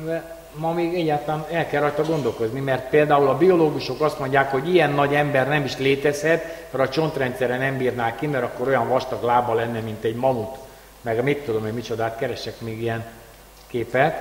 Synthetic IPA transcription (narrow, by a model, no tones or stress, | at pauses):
vɛ | mɒmeːɡɛɟːaːt̪aːnɛlkɛlːɒjt̪ɒɡo̞nd̪o̞lko̞znimɛrt̪̚peːld̪aːulɒbio̞loːɡuʃo̞kɒst̪mo̞ɲɟaːkho̞ɟijɛnːɒɟɛmbɛrnɛmiʃleːt̪ɛshɛt̪mɛɾɒt͡ʃo̞nt̪rɛnt̪sɛɾɛnɛmbiːrnaːlkimɛɾɒkːo̞ɾo̞jɒɱvɒʃt̪ɒklaːbɒlɛnːɛmint̪ɛɟmɒmut̪ | mɛɡmitt̪ːud̪o̞memit͡ʃo̞d̪aːt̪kɛɾɛʃɛkmeːɡijɛn | keːpɛt̪